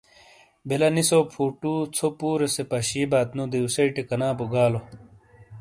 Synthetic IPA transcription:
belɐnisopʰuːʈuːt͡sʰopuːɾesepɐɕiːbaːt̪nud̪iusɐiʈekɐnaːpuɡaːlo

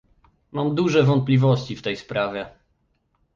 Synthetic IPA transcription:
mamd̪uʐɛvɔnt̪̚plʲivɔɕʲt͡ɕift̪ɛjspɾavʲjɛ

